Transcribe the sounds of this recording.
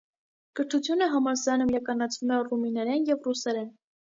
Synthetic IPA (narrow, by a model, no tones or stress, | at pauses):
kəɾt̪ʰut͡sʰjunəɦɑmɑɾzɑnumjɑkɑnɑt͡sʰvumɛruminɛɾɛnjɛvrusɛɾɛn